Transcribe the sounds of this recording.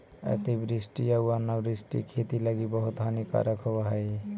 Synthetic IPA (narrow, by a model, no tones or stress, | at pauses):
ḛt̪ibɾisʈijauanːabɾisʈḭkʰet̪ilaɡibɔɦut̪ɦanika̰ɾəkʰobaɦʌj